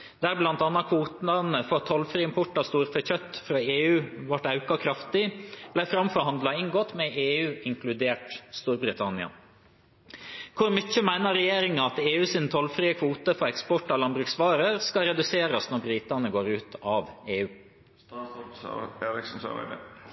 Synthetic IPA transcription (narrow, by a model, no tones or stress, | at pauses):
d̪̥æːɾblɑnt̪ɑnːɑtkʰʋuːt̪nɑnəfɔɾt̪ʰɔlfɾiːɪmpʰʊʈːɑst̪uːɾfɔçœt̪ːfɾɑːeːʉːʋɑʈɑʉkɑkʰɾɑft̪ɪb̥læɪfɾɑmfɔɾhɑnd̪lɑɪŋɡoːt̪mɛʔeːʉːɪŋkʰlʉd̪eːʈst̪uːɾbɾɪt̪ʰɑnɪɑ̰ | kʰʊɾmʏçəmæɪnəɾɛjeːɾɪŋɑɑt̪eːʉːsɪnt̪ʰɔlfɾiːəkʰʋuːt̪əfɔɾɛkspɔʈːɑlɑnbɾʉksʋɑːɾəɾskɑɾɛd̪ʉseːɾɑsnɔɾbɾiːt̪ɑnəɡoːɾʉːt̪ʰɑʋeːʉː | eːɾɪksn̩sɑ̰